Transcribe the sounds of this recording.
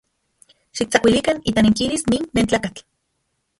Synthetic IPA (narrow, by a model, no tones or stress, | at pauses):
ʃik̚t͡sakʷilikanit̪aniŋkilisniːnːent͡ɬaːkat͡ɬ